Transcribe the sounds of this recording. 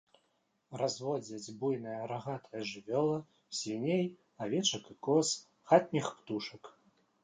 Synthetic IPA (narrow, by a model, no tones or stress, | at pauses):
razvɔd͡zʲɐd͡zʲbujnɐjɐɾaɣat̪ʰɐjɐʐɨvʲɔlˠɐ | sʲinʲej | avʲɛt͡ʂɐkɨkɔs | xat̪̚ʲnʲixpt̪uʂɐk